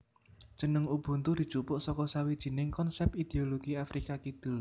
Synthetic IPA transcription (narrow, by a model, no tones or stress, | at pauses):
d̥ʒ̥ə̤nəŋub̥ṳnt̪ud̪̥i̤̥t͡ʃupʊʔsɔkɔsawid̥ʒ̥i̤nɪŋkɔnsɛpid̪̥eoloɡ̥iafɾʔikakit̪ʊl